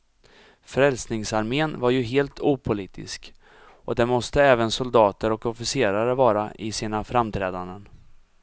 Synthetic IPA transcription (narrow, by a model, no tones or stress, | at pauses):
fɾɛlsnɪŋsaɾmeːnvaɾjɵɦeːlt̪ʰuːpʰʊliːt̪ɪ̰sk | ɔd̪ɛnmɔst̪əɛːvənsʊld̪ɑːt̪əɾɔkɔfɪseːɾaɾəvɑːɾaʔɪsiːnafɾamt̪ʰɾɛːd̪and̪ən